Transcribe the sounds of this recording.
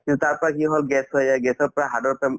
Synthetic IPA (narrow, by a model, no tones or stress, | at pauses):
kĩnt̪ut̪aɹpɔɹakiɦɔlɡɛsɔjaɡɛsɔɹpɔɹaɦadɔɹt̪ɔm